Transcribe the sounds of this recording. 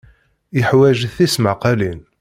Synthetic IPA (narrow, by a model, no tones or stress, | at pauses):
əħwæʒθismaqɑlin